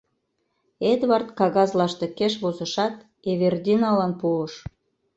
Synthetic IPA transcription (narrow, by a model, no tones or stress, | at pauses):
ed̪βɑrt̪kɑɣɑzlɑʃt̪ekeʃβozə̆ʃɑt̪ | eβerd̪ʲinɑlɑnpuəʃ